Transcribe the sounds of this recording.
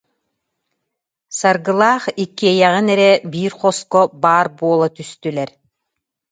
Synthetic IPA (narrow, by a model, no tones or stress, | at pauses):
saɾɡɯlˠaːχikːiɛjɛʁinɛɾɛbiːɾχɔskɔbaːɾbuɔlˠat̪yst̪ylɛɾ